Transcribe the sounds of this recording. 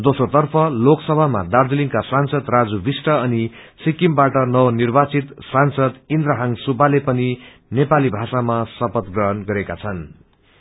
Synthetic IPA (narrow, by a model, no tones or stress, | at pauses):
d̪osrot̪ʌrpʰʌloksʌbʱama̰d̪ard̪uliŋkasansʌd̪rad͡zubisʈʌʌni | sikimbaʈʌnʌwʌnirbat͡sit̪sansʌd̪ind̪ɾʌɦaŋsupalepʌni | nepalibʱasamasʌpʌt̪ɡrʌɦʌnɡʌɾekat͡sʰʌn